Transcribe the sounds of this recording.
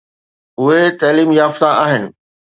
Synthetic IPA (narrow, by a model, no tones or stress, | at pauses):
ʊɦet̪ɐːliːmjaːft̪aaːɦɪnɪ̆